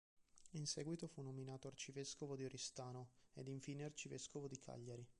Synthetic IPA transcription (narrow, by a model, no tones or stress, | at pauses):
insɛːɡwit̪ofunːominaːt̪oart͡ʃiveskovod̪ioɾʔist̪aːnoḛd̪iɱfiːneart͡ʃiveskovod̪ikʰa̰ʎːaɾi